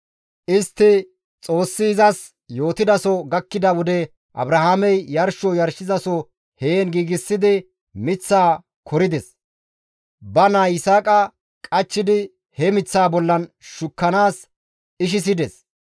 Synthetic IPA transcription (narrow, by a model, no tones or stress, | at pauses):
ʔɪst̪ːɪ | t͡sʼo̞ːsːɪːzɐs | jo̞ːt̪ɪd̪ɐsɔɡɐkːɪd̪ɐwɔd̪ɛ | ʔɐ̰bɾɐhaːmɛjjɐɾʃɔjɐɾʃɪzɐsɔ | heːnɡiːɡɪsːɪd̪ɪ | mɪt͡sːaː | kʰɔɾɪd̪ɛs | bɐnaːɪsaːkʼɐ | kʼɐt͡ʃːɪd̪ɪ | hɛmɪt͡sːaːbɔlːɐnʃʊkːɐnaːs | ɪʃ̬ɪs̬ɪd̪ɛs